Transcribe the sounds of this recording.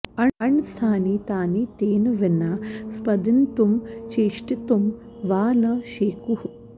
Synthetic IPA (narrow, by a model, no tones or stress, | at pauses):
ɐɐɳst̪ʰaːnit̪aːnit̪eːnʋinaspɐd̪int̪umt͡ʃeːʂʈit̪um | ʋaːnɐʃeːkuh